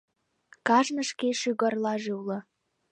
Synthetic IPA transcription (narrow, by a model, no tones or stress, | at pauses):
kɑʒnə̆ʃkeʃyɣərlɑʒeulɤ̆